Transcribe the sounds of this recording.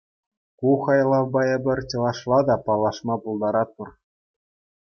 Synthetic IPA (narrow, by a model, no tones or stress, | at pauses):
kuχɑjlˠɑʋbɑɘ̆bʲɘ̆rʲt͡ɕɤ̆lˠɑʂlˠɑd̪ɑpɑlˠːɑʂmɑpulˠd̪ɑɾɑt̪̚pɤ̆r